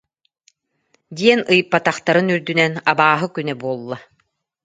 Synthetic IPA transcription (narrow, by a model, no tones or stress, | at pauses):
d̪iɛnɯjpːat̪aχt̪aɾɯnyɾd̪ynɛnabaːɦɯkynɛbuɔlˠːa